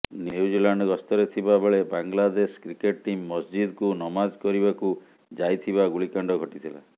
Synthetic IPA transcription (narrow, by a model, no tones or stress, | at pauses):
njuud͡ʒilaɳɖɔkɔst̪ɔɾet̪ʰibabeɭebaŋlad̪eskɾikeʈ̚ʈimːɔsd͡ʒid̪kunɔmad͡ʒkɔɾibaku | d͡ʒajt̪ʰibaɡuɭikaɳɖɔɡʱɔʈit̪ʰila̰